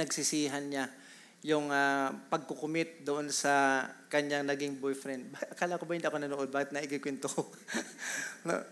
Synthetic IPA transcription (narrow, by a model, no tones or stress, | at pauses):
ɐɡsɪsiːɦɐnɲa | jʊŋapɐɡ̚kokʊmɪt̪̚d̪ʊʔonsɐkɐɲaŋnɐɡɪŋbojfɾɛnd̪̚baʔɐkaːlɐkobahɪnd̪iʔɐkonɐnoʔod̪̚baːhɪt̪nɐʔɪkɪkwɛnt̪oko | no̰